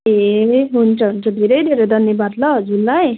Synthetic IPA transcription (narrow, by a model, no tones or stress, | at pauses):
eɦunt͡sʰʌɦunt͡sʌd̪ʱeɾʌjd̪ʱeɾʌjd̪ʱʌnjʌbad̪lʌʌd͡zulːaj